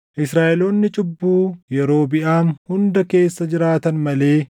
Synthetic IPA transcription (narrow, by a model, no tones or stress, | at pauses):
ʔɪsɾaːʔɛlo̞ːnːɪt͡ʃʼɪbːuːjɛɾo̞ːbɪʔaːnhʊnd̪ɐke̞ːsːɐd͡ʒɪɾaːt̪ɐnmɐle̞ː